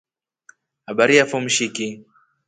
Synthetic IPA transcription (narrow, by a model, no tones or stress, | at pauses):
haɓaɾijafɔm̩ʃiki